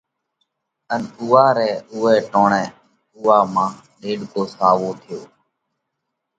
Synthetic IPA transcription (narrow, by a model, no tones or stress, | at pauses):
ənuːaːɾɛːʊːɛːʈoːɳɛ̃ː | ʊːaːmãː | ɗeːɖkoːsaːʋoːt̪ʰɪjoː